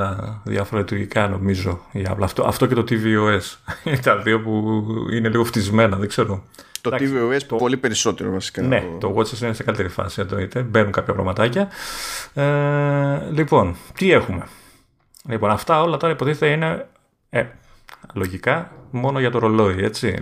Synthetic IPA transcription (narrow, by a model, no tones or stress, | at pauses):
ɐðjɐfo̞ɾɐlit̪uɾʝikɐno̞mizo̞iɐ̰plɐːft̪oʔɐ̰ft̪oce̞t̪ot̪ivioest̪ɐðiopuine̞liɣo̞ft̪izme̞nɐðeɡze̞ɾot̪oɐk̪isvioest̪opolipeɾiso̞t̪eɾovɐsi̥kɐnet̪oɣot͡sesinesekɐlit̪e̞ɾifɐ̰siɐnd̪o̞it̪e̞be̞nuŋkɐpçɐpɾɐ̰mɐt̪ɐcɐ | e | lipo̞nt̪ie̞xume̞ | lipo̞nɐft̪ɐo̞lɐt̪o̞ɾɐipo̞t̪iθet̪ɐine̞ | e | lo̞ʝikɐmo̞noʝɐt̪o̞ɾo̞lo̞ie̞t͡sḭ